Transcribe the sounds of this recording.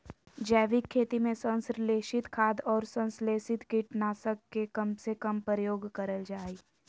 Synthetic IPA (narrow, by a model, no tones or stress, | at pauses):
d͡ʒɛːʋɪkʰːeːt̪imẽsə̃nsɾleːʃɪt̪kʰaːd̪ɔːɾsə̃nsleːsɪt̪kɪʈnaːsəkːekɐmsekɐmpəɾəjoːɡkəɾəld͡ʒaːi